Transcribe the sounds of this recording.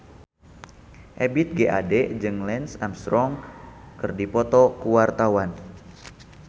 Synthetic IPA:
ʔebit̪̚ɡeʔa̰dɛd͡ʒɨŋlɛnsamst̪ɾɔŋkɨrdipɔt̪ɔkuwart̪awan

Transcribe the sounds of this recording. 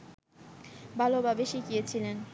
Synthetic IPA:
bʱalobabeʃikiet͡ɕʰilen

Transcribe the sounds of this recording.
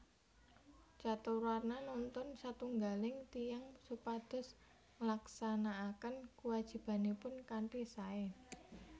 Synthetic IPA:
t͡ʃat̪uɾarnanɔnt̪ʊnsat̪uŋɡalɪŋt̪ijaŋsupad̪̥ɔ̤s | ŋəlaksanaːkənkuwad̥ʒ̥i̤b̥a̤nipʊnkanʈisae

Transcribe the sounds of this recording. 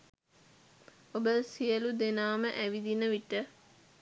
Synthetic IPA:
obəsijəlud̪enaːməʔæʋid̪inəʋiʈə

